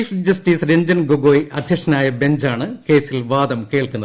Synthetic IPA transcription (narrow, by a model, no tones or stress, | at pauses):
ifd͡ʑɐsʈiːsɾeɲd͡ʑɐnɡoɡoːjʔɐd̪ʱjɐkʂɐnaːjɐbe̞ɲd͡ʑaːɳɨke̞ːsilʋaːd̪ɐmke̞ːɭkunːɐð